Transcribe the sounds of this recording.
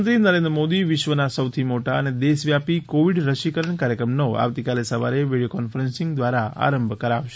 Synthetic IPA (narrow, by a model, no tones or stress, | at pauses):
nt̪ɾinəɾend̪ɾəmod̪iʋɪʃʋənasəwt̪ʰimoʈaəned̪esʋjapikoʋiɖɾəʃikəɾəɳkaɾjəkɾəmnoa̰ʋt̪ikalesəʋa̰ɾeʋiɽijokɔnfəɾensɪ̃ŋɡd̪ʋaɾaa̰ɾəmbʱkəɾaʋʃe̥